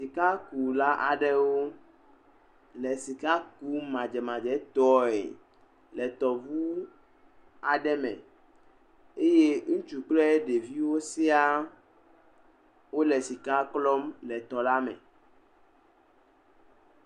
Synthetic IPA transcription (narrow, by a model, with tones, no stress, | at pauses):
si˨ka˦ku˨la˦ʔa̰˨ɖɛ˦wo˦ | lɛ˨si˨ka˦ku˦mã˨d͡ʒɛ˨mã˨d͡ʒɛ˦t̪ɔ˦ḛ˨ | lɛ˨t̪ɔ˨vu˦ | a˨ɖɛ˦mɛ̰̃˨ | e˦je˦ŋũ˦t͡ʃu˨k͡plɛ˦ɖe˨vi˦wo˦se˦a˦ | wo˦lɛ˨si˨ka˦klɔ˦mlɛ˨t̪ɔ˨la˦mɛ̰̃˨